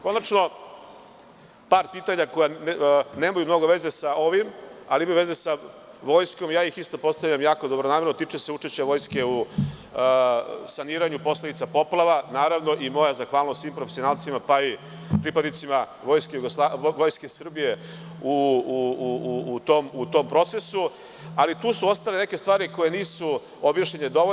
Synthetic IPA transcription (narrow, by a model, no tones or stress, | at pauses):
ko̞nat͡ʃno̞ | paːɾpiːt̪aɲako̞janeːmajumno̞ɡo̞ʋe̞ze̞sao̞ʋimaliimajuʋeze̞sa | ʋo̞jsko̞mjaːjixist̪opo̞st̪aʋʎamjaːko̞d̪o̞bɾonaːmeɾnot̪it͡ʂeseuʈ͡ʂe̞ʃt͡ɕeʋo̞jske̞u | saniːɾaɲupo̞sled̪it̪sapo̞plˠaʋanaːɾaʋno̞ʔimo̞jazaxʋaːlˠnosʋiːmpɾofesijonalˠt̪simapai | pɾipad̪nit̪sima | ʋojskejuɡoslaʋo̞jske̞sr̩bije | uuː | t̪omut̪o̞mpɾo̞t̪se̞su | alit̪uːsuo̞st̪alene̞ke̞st̪ʋaːɾiko̞je̞niːsu | o̞bjaʃʎened̪o̞o